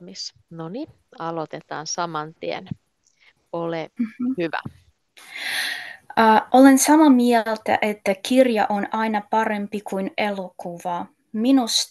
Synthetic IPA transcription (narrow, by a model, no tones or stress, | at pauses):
misnoni | ɑlot̪et̪ɑ̰ːnsɑmɑnt̪iḛn | olehyʋæ̰ | ʔolensɑmɑmiɛlt̪æ̰ʔet̪ːækirjɑ̰ʔonɑinɑpɑre̞mpikuinelokuʋɑ | minus